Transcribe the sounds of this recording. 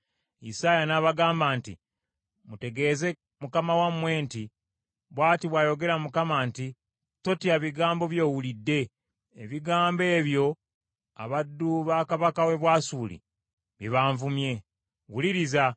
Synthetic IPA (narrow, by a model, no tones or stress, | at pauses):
ḭsaːjanaβaɡaːmbaːntḭ | mute̞ɡe̞ːze̞ | mukamawamwe̞ːnti | βwaːtiβwaːjo̞ɡe̞ɾamukamaːnti | to̞tiaβiɡaːmbo̞βjo̞ːwulidːe̞ː | βiɡaːmbe̞ːβjo̞ | a̰βadːuβaːkaβakawe̞βwaːsuːlḭ | βiβaːɱvumje̞ | wuliɾiza